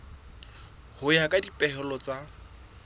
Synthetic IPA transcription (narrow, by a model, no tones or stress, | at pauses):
hʊjakʼadipʼɛɦɛlɔt͡sʼa